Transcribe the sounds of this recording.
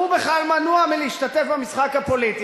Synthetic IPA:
ubeχalmanuamiliːʃtat̪efbamisχakhapo̞lit̪i

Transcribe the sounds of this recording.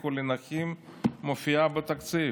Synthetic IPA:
kulinaximːofiabet̪akt͡si

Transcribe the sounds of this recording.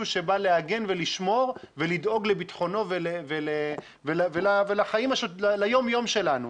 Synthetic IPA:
uʃebale̞aɡe̞nveliʃmo̞ʁve̞lid̪o̞ɡle̞bit̪χo̞no̞velevele | velvelavelaχaimaʃolalajo̞mjo̞mʃe̞lanu

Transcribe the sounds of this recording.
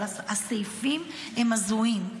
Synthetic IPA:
asejfim | emazuim

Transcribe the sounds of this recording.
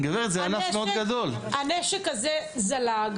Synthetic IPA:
ɡaveʁetzeanafmeod̪ɡad̪ol | aneʃekazezalaɡ

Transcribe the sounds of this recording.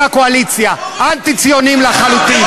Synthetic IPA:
akoalit͡sjaʔant̪it͡sijonimlaχalut̪i

